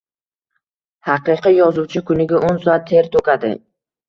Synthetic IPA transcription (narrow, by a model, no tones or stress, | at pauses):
hɑqɨqijɒzuwt͡ʃʰɪkʰʊnɪɡʲaʔonsɒat̪ʰːe̞ɾt̪ʰokʲad̪ɪ̰